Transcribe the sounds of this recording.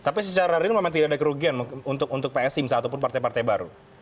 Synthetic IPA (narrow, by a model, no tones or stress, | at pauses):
t̪apisət͡ʃaɾaɾɪrmemaŋt̪idaadakəɾuɡianmukunt̪ʊk̚unt̪ʊk̚peɛsɪmsat̪up̬ʊnpart̪ajpart̪ajbaɾu